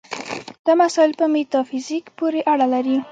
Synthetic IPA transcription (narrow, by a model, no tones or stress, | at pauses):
d̪̥əmasɑɪlpəmet̪ɑfizikpoɾeʔaɽalaɾi